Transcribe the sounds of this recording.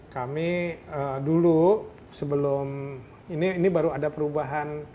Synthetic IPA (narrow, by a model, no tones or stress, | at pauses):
kamiədulu | səbəlʊm | iniːnibaɾuadapəɾubaɦan